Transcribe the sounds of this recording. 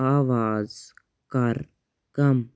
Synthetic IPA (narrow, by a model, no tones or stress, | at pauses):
aːʋaːz | kɐɾ | kɐm